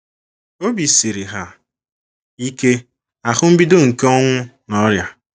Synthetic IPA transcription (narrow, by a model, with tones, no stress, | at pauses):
o˦bi˨si˨ɾi˨ɦa˦ | i˦ke˦ | a˨xʊ˦m̩˦bi˦do˦ŋ̩˨ke˦ɔ˦ŋʷʊ˦nɔ˦ɾja˨